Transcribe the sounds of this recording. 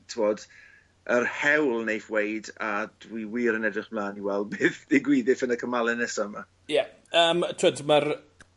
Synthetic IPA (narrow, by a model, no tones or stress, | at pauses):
tʰɪmoːd | ʔərhɛwlˠnejfwejdad̥wiwiːɾənɛdrɪχmlˠaːniwɛlˠbeːθdɪɡwiːðɪfənəkʰəmalˠɛnɛsɔəma | jɛ | əːmtʰw̥ədmər